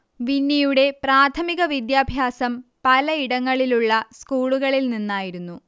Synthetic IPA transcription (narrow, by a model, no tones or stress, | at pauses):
ʋinːijuɽe̞praːt̪ʰɐmiɣɐʋid̪jaːbʱjaːsɐmpɐlɐiɽɐŋːɐɭiluɭːɐskuːɭuɣɐɭilninːaːjiɾunːu